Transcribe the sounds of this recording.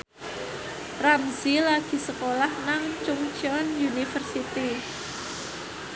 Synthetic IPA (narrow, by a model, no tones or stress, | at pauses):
ramsilaɡ̥i̤səkolahnaŋt͡ʃʊŋt͡ʃɔnjunifərsit̪i